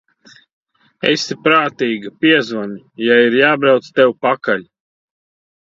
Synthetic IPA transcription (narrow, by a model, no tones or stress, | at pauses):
ḛsipɾaːt̪iːɡɐpʲiɛzvɔnʲi | jaiɾjaːbɾawt̪st̪ɛwpakalʲ